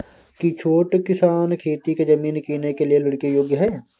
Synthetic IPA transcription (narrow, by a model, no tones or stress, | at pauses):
kit͡ʃʰoːʈkɪsaːnkʰeːt̪iked͡ʒɐmiːnkiːnekelijelɐɽkijoːɡjəɦɛː